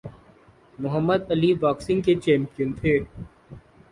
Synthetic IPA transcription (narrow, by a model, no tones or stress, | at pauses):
mʊɦəmːəd̪ɐliʋaːksɪ̃ŋɡket͡ʃẽːmpənt̪ʰeː